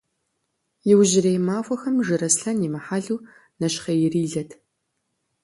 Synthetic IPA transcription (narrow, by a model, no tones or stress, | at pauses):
jɪwʒɪrejmaːxʷɐxɐmʒɨɾɐsɬɐnjimɐħaːɮuː | nɐʃχɐjɪriːɮɐtʰ